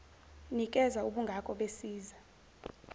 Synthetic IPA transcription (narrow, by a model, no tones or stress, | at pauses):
nik̬ʼɛzauɓuŋɡʱakʼɔɓesiːza